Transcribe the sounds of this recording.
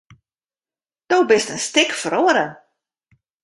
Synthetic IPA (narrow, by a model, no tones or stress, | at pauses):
d̥owbɪstənstɪkfəɾoəɾən